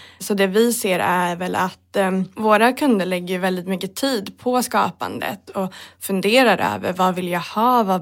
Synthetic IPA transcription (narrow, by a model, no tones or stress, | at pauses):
sɔd̪ɛvɪseːɾæɾvɛlʔat̪voːɾakʰɵnd̪əɭɛɡːəjɵvɛld̪ɪt̪mʏkːət̪ʰiːd̪pʰɔskɑ̰ːpa̰nd̪ə̰t̪ɔfɵnd̪eːɾaɾʔø̰ːvə̰ɾvavɪljahɑːva